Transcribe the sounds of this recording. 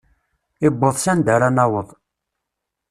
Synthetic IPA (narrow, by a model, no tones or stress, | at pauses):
ɪbːəðˤsænd̪æɾanɑwəðˤ